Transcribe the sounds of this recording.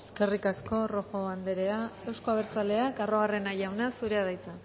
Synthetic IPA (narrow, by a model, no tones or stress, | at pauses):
eske̞rikasko̞ro̞fo̞βand̪e̞ɾe̞ae̞wsko̞aβeɾt͡sale̞akaro̞ɣare̞najawnasuɾe̞aðajt͡sa